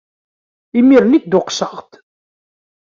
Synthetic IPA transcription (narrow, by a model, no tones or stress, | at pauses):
imiɾnik̚d̪ʊqsəʁt̪